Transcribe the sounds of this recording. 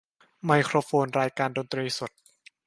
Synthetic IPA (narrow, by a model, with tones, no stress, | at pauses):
ma˧jkʰɾoː˧foː˧nɾaː˧jkaː˧ndoː˧nt̪ɾiː˧su˨˩t̪̚